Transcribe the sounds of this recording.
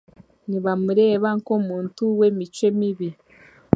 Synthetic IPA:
niβamuɾe̞ːβaŋkomuːntuwe̞mit͡ʃwemiβi

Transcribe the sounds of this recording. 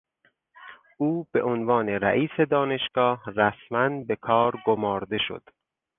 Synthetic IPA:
ʔuːb̥e̞ʔonvɒːneɾæ̰ʔiːse̞d̪ɒːne̞ʃɡ̥ɒːhræsmænbe̞kʰɒːɾɡomɒːɾd̪e̞ʃo̰d̪̥

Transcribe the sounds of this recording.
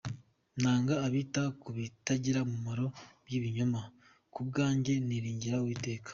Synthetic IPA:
naːŋɡaːβiːtakuβitaɟiɾamumaɾo̞βjiːβiɲoma | kub̚ɡaːɲɟe̞niɾiːɲɟiɾawiːte̞ːkḁ

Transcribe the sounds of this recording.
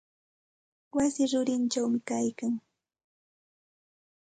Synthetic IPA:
wasɪɾʊɾɪnt͡ʃawmɪkajkaŋ

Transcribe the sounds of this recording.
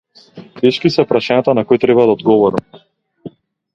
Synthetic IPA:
t̪ɛʃkisɛpɾaʃaɲat̪anakɔjt̪ɾɛbad̪aɔd̪ɡɔvɔɾam

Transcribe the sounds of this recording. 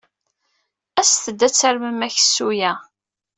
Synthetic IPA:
æsθəd̪ːæt͡sːəɾməmæçə̥sːujæ

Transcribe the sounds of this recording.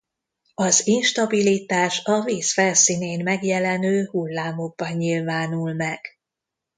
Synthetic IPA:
ɒzinʃt̪ɒbilit̪aːʃɒviːsfɛlsineːnmɛɡjɛlɛnøːhulːaːmo̞ɡ̚bɒɲːilvaːnulmɛɡ̥

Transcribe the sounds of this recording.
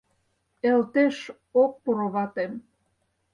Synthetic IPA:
elt̪eʃ | ok̚puɾŏβɑt̪em

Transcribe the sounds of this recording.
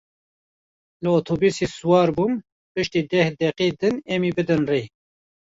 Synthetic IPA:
lɨoːt̪ʰoːbiːseːsuwɑːɾbuːm | pɨʃt̪iːd̪ɛhd̪ɛqiːd̪ɨnemiːbɨd̪ɨnreː

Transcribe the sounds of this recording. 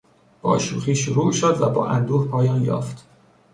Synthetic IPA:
b̥ɒ̰ːʃuːxiːʃoɾuːʔʃod̪væbɒ̰ːʔæ̰nd̪uːhpʰɒːjɒːnjɒ̰ːft̪

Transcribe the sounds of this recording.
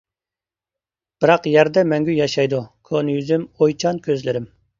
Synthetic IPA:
b̥ɨɾɑqjæɾd̪ɛmɛŋɡʲyjɑʃɑjd̪ukʰonjyzymojt͡ʃʰɑnkʲʰøzlɪɾɪm

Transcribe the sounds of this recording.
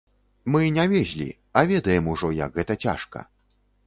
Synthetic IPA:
mɨnʲavʲɛzʲlʲḭ | ɐvʲɛd̪ɐjɛmuʐɔjɐ̰ɡɣɛt̪ɐt͡sʲa̰ʂkɐ̰

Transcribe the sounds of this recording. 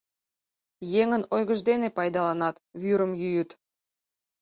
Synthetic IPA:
jeŋənojɣəʒd̪enepɑjd̪ɑlɑnɑt̪βyɾəmjyjyt̪

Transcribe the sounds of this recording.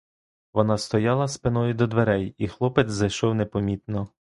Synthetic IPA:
ʋɔnɑst̪ɔjɑlˠɐspɪnɔjʊd̪ɔd̪ʋeɾɛjixlˠɔpezɐjʃɔwnepɔmʲit̪nɔ

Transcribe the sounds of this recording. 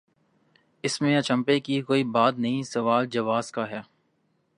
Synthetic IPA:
ɪsmẽɐt͡ʃɐ̃mpekikoːibaːt̪nɐɦĩsɐʋaːld͡ʒɐʋaːzkaɦɛː

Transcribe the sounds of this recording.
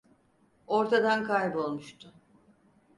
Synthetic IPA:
o̞ɾt̪ʰad̪ankʰajbo̞lˠmuʃt̪ʰʊ

